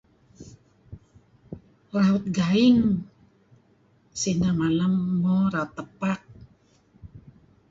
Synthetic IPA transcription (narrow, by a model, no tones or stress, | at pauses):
raut̪̚ɡaiŋ | sinamalamːɔɾaut̪ːəpak̚